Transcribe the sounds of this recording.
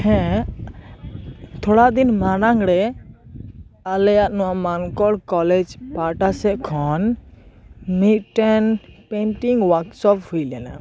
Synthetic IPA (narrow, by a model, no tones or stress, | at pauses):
hɛ̃ | t̪ʰɔɽad̪inmanaŋɽɛ | alɛjat̪̚nɔwamankɔɽkɔlɛd͡ʒpaʈasɛʔkʰɔn | mit̪̚ʈɛnpɛnʈiŋɡwaksɔp̚hujlɛna̰